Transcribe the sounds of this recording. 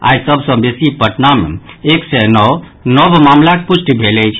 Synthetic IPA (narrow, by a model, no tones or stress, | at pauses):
a̰jsəbʱsə̃besipəʈnamḛeksɛnɔw | nɔbʱmamlakepusʈibʱelɛjt͡ʃʰ